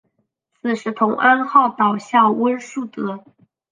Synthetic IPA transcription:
t͡sʰɹ̩˨˩ʂɻ̩˧˥t̪ʰʊ˧˥ŋʔa˥nxɑ˥˩ʊt̪ɑ˨˩ʊɕjɑ˥˩wə˥ʂu˥˩t̪ɤ˧˥

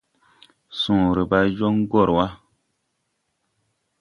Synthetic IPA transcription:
sũ˨ɾi˨ba˦jɔ˦ŋ˦ɡɔ˦˨ɾwa˦

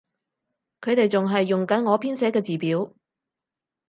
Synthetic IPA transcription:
kʰɵ˨˧ɥt̪e˨jt͡sʊ˨ŋɦɐ˨jːʊ˨ŋkɐ˨˥nŋɔː˨˧pʰiː˥nsɛː˨˥kɛː˧t͡siː˨˩piː˨˥w

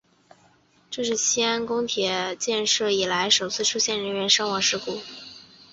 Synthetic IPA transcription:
ʈ͡ʂɤ˥˧ʂɻ̩˥˩ɕi˥a˥nkʊ˥ŋt̪ʰjɛ˨˩˦t͡ɕjɛ˥˧nʂɤ˥˩i˨˩la˧˥ɪʂo˨˩ʊt͡sʰɹ̩˥˩ʈ͡ʂʰu˥ɕjɛ˥˩nɻə˧˥nɥɛ˧˥nʂɑ˥ŋwɑ˧˥˩ʂɻ̩˥˩ku˥˩

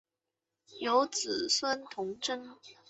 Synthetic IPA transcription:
jo˧˥ʊt͡sɹ̩˨˩swə˥nt̪ʰʊ˧˥ŋʈ͡ʂə˥ŋ

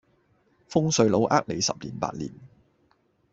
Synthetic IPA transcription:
fʊ˥ŋsɵ˨˧ɥlo˨˥wʔaː˥k̚le˨˧jsɐ̰˨p̚lḭː˨˩npa̰ː˧t̚lḭː˨˩n

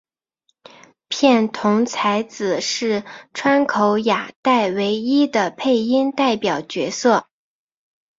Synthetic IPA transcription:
pʰjɛ˥˩nt̪ʰʊ˧˥ŋt͡sʰa˧˥ɪt͡sɹ̩˨˩ʂɻ̩˥˩ʈ͡ʂʰwa˥nkʰo˧˥ʊja˨˩t̪a˥˩ɪwe˧˥ɪi˥d̪ə˨pʰe˥˩ɪi˥nt̪a˥˩ɪpjɑ˨˩ʊt͡ɕɥɛ̰˧˥sɤ˥˩

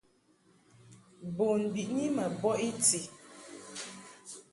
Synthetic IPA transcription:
bo˨n˨bi˨ʔɲi˦mə˨bɔ˦ʔi˦ti˨

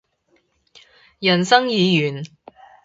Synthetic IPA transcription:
jɐ˨˩nsɐ˥ŋjiː˨˧jyː˨˩n

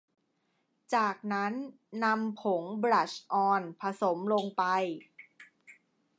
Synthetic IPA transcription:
t͡ɕaː˨˩k̚na˦˥nː | a˧mpʰo˩˦ŋbɾa˨˩t͡ɕʔɔː˧npʰa˧so˩˦mlo˧ŋpa˧j

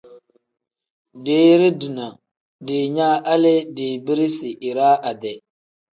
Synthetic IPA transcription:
de˨˦ɾi˦di˨na˨ | de˨ɲa˦ʔa˦le˦di˨bi˦ɾi˦si˨ʔi˨ɾa˦ʔa˨dɛ˨

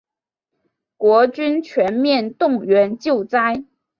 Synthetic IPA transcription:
kwɔ˧˥t͡ɕy˥nt͡ɕʰɥɛ˧˥nmjɛ˥˧nt̪ʊ˥˩ŋɥɛ˧˥nt͡ɕjo˥˩ʊt͡sa˥ɪ

